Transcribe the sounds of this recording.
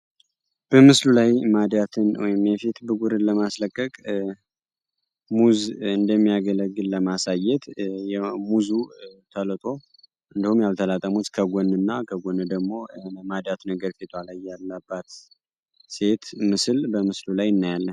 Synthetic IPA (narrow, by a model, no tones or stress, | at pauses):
b̥əmɨslulajmad̪jat̪ʰɨnwɔjɪmjɛfit̪bɨɡuɾɨnləmasləkʼːəkʼ | muzɨnd̪əmːijaɡələɡːɨlləmasajɛt̪jɛmuzut̪ʰələt̪ʼo̞ | ʔɨnd̪əhumjalt̪ʰəlat̪ʼəmut̪kʰəɡonɨnːakʰəɡonːɨd̪əɡmo̞mad̪jat̪nəɡəɾfit̪ʰalajːalːabːat̪ | se̞t̪mɨsɨlbəmɨslulajɨnːajalːən